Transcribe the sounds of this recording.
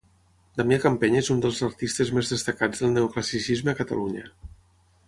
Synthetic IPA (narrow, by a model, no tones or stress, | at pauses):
d̪ameəkəmpeɲezund̪əlˠzəɾt̪ist̪əzmezðəst̪əkad͡zðəlˠneukləsisizməːkət̪ə̰luɲə̰